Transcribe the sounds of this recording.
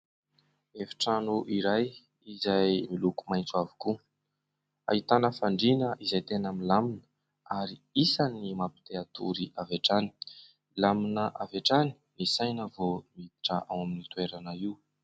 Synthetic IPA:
efi̥ʈ͡ʂanuʔiɾaj | izajmilukumajnt͡suavi̥ku | a̰ɦit̪anəfaɳɖ͡ʐinəʔizajt̪enaminlaminə̥ | aɾiisanimapi̥t̪eat̪uɾiaveʈ͡ʂani̥ | laminəʔaveʈ͡ʂani̥nisajnəvomid̪iʈ͡ʂə̰ʔa̰waminit̪ueɾanəiw

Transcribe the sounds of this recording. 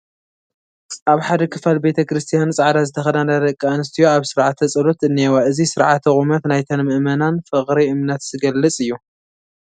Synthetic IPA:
ʔaβħad̪ɐkʰɨfalbe̞t̪ʰɐkɾɨst̪ʰijant͡sʼaʕd̪azɨt̪ʰɐxɐd̪anad̪ɐkʼːaɨnɨst̪ʰijoaβsɨɾʕat̪ʰːɐt͡sʼɐlot̪ɨnːewaʔɨzisɨɾʕa̰t̪ʰːɐχʼumɐt̪najt̪ʰɐnmɨʔmɐnanfɨχʼɾiʔɨmnɐt̪z̥ɨɡɐlːɨt͡sʼɨjːu

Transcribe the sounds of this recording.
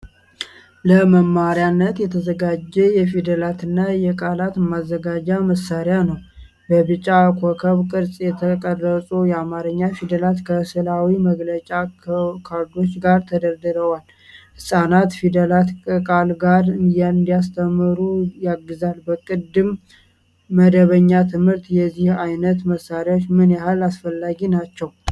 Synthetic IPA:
ləməmːaɾjanːət̪jɛt̪ʰəzəɡad͡ʒːɛjɛfid̪əlat̪ɨnːajɛkʼalat̪ɨmːazːəɡad͡ʒaməsːaɾjanəw | bəbɨt͡ʃʼːakʷʰokʰəβkʼɨɾsʼjɛt̪ʰəkʼərːəsʼujɛamaɾəɲːafid̪əlat̪kʰəsɨlawiməɡlət͡ʃʼakʰaɾd̪o̞t͡ʃːɡaɾt̪ʰəd̪əɾd̪ɨɾəwal | hɨsʼanat̪fid̪əlat̪kʼəkʼalɡaɾɨnd̪nd̪ijast̪ʰəmːɨɾujaɡːɨzalbəkʼɨd̪ɨmː | əd̪əβəɲːat̪ʰɨmhɨɾt̪jɛzːihajnət̪məsːaɾjaot͡ʃːmɨnjaɦalasfəlːaɡinat͡ʃːɛw

